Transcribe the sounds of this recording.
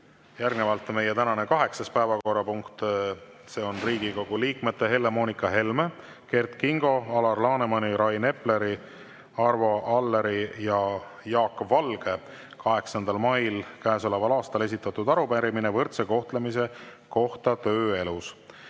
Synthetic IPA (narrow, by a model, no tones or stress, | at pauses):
jærɡnevɑlt̪ːˑme̞jet̪ænɑne̞kɑɦe̞ksɑspæevɑko̞rːɑpuŋkt̪ | se̞ːo̞nriːɡ̥iko̞ɡ̥uliːkmet̪ːe̞ɦe̞lːe̞mo̞ːnikɑɦe̞lme | ke̞rt̪kiŋɡ̥o̞ɑlɑrlɑːnemɑniɾɑjne̞ple̞ɾi | ɑrvo̞ʔɑlːe̞ɾijɑ | jɑːkːˑvːɑlɡ̥e̞ | kɑɦe̞ksɑnd̪̥ɑlmɑjlkæːso̞le̞vɑlɑːst̪ɑle̞s̬ʲit̪ːˑɑt̪ːud̪̥ɑɾupæɾiminevɤrt̪se̞ko̞ht̪le̞mise̞ | ko̞ht̪ɑt̪ø̞ːe̞lus